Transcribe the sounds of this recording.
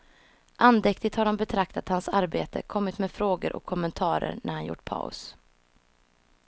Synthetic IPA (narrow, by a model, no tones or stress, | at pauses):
ʔand̪ɛkt̪ɪt̪haɖɔmbɛt̪ʰɾakt̪at̪hansaɾbeːt̪ə̰kʰɔmːɪt̪meːfɾoːɡə̰ɾʔɔ̰kʰːɔmːənt̪ʰɑːɾə̰ɾnʔæ̰ɾhanjʊ̰ʈːpʰa̰ʊ̰s